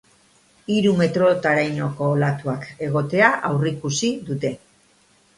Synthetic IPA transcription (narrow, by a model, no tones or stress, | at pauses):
iɾume̞t̪ɾo̞t̪aɾajɲo̞ko̞ːlat̪uake̞ɣ̞o̞t̪e̞aʔawrikusiðut̪e̞